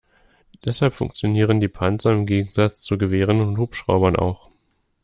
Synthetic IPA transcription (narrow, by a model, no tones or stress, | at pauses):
d̥ɛshalpfʊ̰ŋk̚t͡sjoniːʁ̞əndiːpʰant͡sɐɪmɡeːɡŋ̩zat͡st͡suɡəveːʁ̞ənʊnthuːpʃʁ̥a̰ʊbɐnʔa̰ʊx